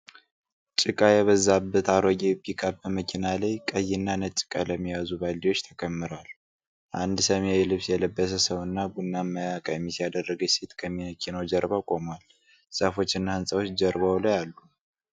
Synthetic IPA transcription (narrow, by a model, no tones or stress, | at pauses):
t͡ʃʼɪkʼajɛβəzabːət̪aɾəɡʼebikʰʼabəməkʰinalajkʼəjːɪnːanət͡ʃʼːɪ̥kʼaləmːijazubalːiwo̞t͡ʃːt̪ʰəkʰəmːɨɾal | ʔand̪səmejɛlɨβsjɛləbːəs̬əsəwɨnːabunːamːəjakʼəjɛmːisijad̪ərːəɡəset̪kʰəmːiməkʰinəwd͡ʒəɾbakʼo̞mal | səfo̞t͡ʃːɪnːahɨnsʼəwo̞t͡ʃːd͡ʒəɾβawlajalːu